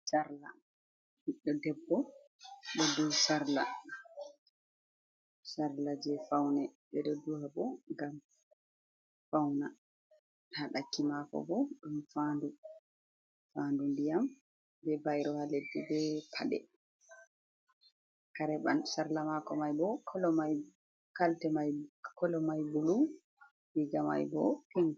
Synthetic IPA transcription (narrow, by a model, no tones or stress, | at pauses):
saɾla̰ | hiɗɔdɛbːɔ | bɛdusaɾla | saɾlad͡ʒɛfawnɛbɛɗodːuhabɔŋɡam | fawna | haɗakːimakɔ̰bɔɗumfandu | fandundijam | bɛbajɾɔhaledːibɛpʰaɗɛ̰ | kaɾɛɓa̰nsaɾlamakɔmajbɔkɔlɔmaj | kaltɛmajkɔlɔmajbulu | biɡama̰jbɔpiŋ